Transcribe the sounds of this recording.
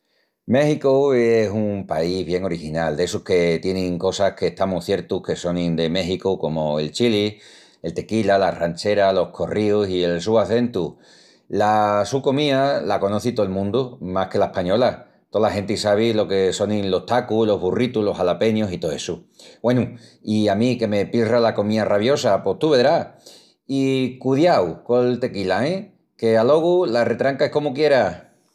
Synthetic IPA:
me̞xikoesumpaiβ̞je̞ŋo̞ɾixinald̪e̞suhke̞t̪je̞nĩŋko̞sahke̞ːht̪amuθje̞ɾt̪uhke̞so̞nĩnd̪eme̞xikuko̞moe̞lt͡ʃili | e̞lt̪e̞kilalarant͡ʃe̞ɾalo̞hkʰo̞riusie̞lsuaθe̞nt̪u | lasukomialako̞no̞θit̪oelmũnd̪umahke̞laehpaɲo̞la | t̪olaɦe̞nt̪eisaβ̞ilo̞ke̞so̞ninlo̞ht̪akulo̞ɦβurit̪ulo̞salape̞njosit̪oesu | we̞nuiamĩke̞me̞piralako̞mĩaraβ̞jo̞sapo̞t̪uβe̞ðɾa | ikuðjawkolt̪e̞kilaẽ | ke̞alo̞ɣ̞ulare̞t̪ɾaŋkaehko̞mukje̞ɾa

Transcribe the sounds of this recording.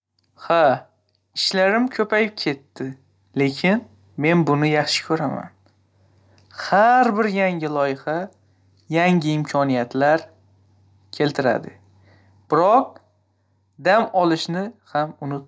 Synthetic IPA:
ha | ɪʃlaɾɪmkʲʰɵpajɪp̚kʲʰe̞t̪ːɪ | le̞kʲʰɪn | me̞nbʊnɪjɑχʃɪ̥kʲʰɵɾama̰n | haɾbɪɾjaŋʲɪlˠɒjɪha | jaŋʲɪɪmkʲʰɒnijat̪laɾ | kʲʰe̞lt̪ʰɪɾa̰d̪ɪ | b̥ɪɾɒq̚ | d̪amɒlˠɪʃnɪhamʊnɪ

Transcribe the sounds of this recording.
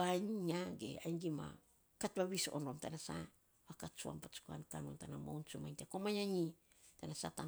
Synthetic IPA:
aɲɲaɡe̞̰ajŋɡima̰ | katbaβiso̞̰nomtanasa | akat͡ʃua̰mpat͡ʃu̥ka̰nkanuntanamownt͡ʃumajntekomajaɲi | tanasata

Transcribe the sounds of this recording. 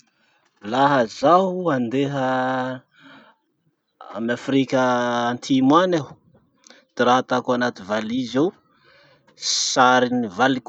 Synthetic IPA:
laɦəzaɦand̪eɦə | a̰mafrikʲəːnt̪ʰimwanḁ | d̪̥iɾaat̪akuanat̪ivalizew | saɾinivalik

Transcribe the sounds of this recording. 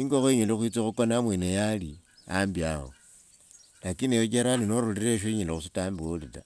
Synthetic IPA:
iŋɡoxweɲelexwit͡sixukonamwenejalia̰mbiaɣo̰ | lakinejot͡ʃeɾaninoɾuliɾeʃ̬oiɲelexusitambolita̰

